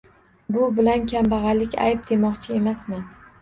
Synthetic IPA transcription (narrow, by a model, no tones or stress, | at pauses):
bʊbɪlankʲʰambɑʁɑlɪkʲa̰jp̚d̪ʰe̞mɒqt͡ʃʰɪe̞masmɪn